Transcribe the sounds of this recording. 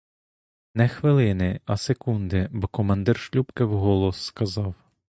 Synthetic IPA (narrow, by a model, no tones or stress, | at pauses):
nɛxʋɪlˠɪnɪɐsekund̪ɪbɔkɔmɐnd̪ɪrʃlʲupkɪwɦɔlˠɔsːkɐzɑw